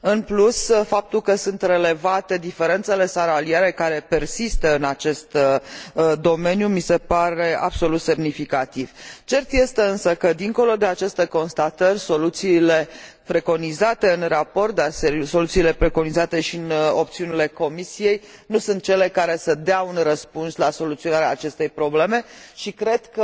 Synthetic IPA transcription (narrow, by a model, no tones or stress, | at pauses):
ɨnplusfap̚t̪ulkəsunt̪re̞le̞vat̪e̞d̪ife̞ɾe̞nt̪se̞le̞saɾalieɾe̞kaɾe̞pe̞rsist̪əɨnat͡ʃe̞st̪ | d̪o̞me̞njumise̞paɾe̞a̰bso̞lut̪se̞mnifikat̪iv̥t͡ʃe̞rt̪je̞st̪e̞ɨnsəkəd̪iŋko̞lo̞d̪e̞at͡ʃe̞st̪e̞ko̞nst̪at̪ərʲso̞lut̪siːle̞ | pɾe̞ko̞nizat̪e̞ɨnrapo̞rt̪̚d̪arsso̞lut̪siːle̞pɾe̞ko̞nizat̪e̞ʃiɨno̞p̚t̪siunile̞ko̞misije̞jnusunt̪̚t͡ʃe̞le̞kaɾe̞səd̪eaunrəspunslaso̞lut̪sio̞naɾeaːt͡ʃe̞st̪e̞jpɾo̞ble̞me̞ʃikɾe̞d̪̥kə